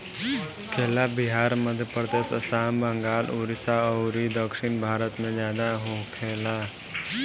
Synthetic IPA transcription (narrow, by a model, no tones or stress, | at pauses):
kʰeːlabɪɦaːɾməd̪ʱjpəɾd̪esəsaːmbə̃ŋɡaːluɾisaɔɾid̪əkʃɪnbʱaːɾət̪mẽd͡ʒjaːd̪aɦõkʰeːlaː